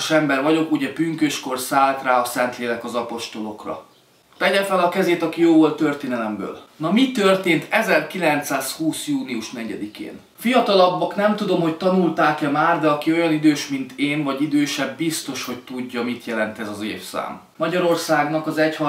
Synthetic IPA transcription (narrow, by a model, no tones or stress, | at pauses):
ʃɛmbɛrvɒɟo̞kuɟɛpyŋkøːʃko̞rsaːlt̪raːɒsɛnt̪leːlɛkɒzɒpo̞ʃt̪o̞lo̞krɒ̰ | t̪ɛɟɛfɛlɒkɛzeːt̪ɒkijoːvo̞lt̪ːørt̪eːnɛlɛmbø̰ːlnɒmit̪ørt̪eːnt̪ʰɛzɛrkilɛnt̪saːshuːsjuːniuʃnɛɟɛ̰d̪ikḛːn | fijɒt̪ɒlɒbːɒknɛmt̪ud̪o̞mho̞ct̪ɒnult̪aːkɛmaːrd̪ɛɒkio̞jɒnid̪øːʃmint̪ʰeːnvɒɟid̪øːʃɛbːist̪o̞ʃho̞ct̪uɟːɒmit̪jɛlɛnt̪ɛzɒzḛːfsa̰ːm | mɒɟɒɾo̞rsaːɡnɒkɒzɛchɒ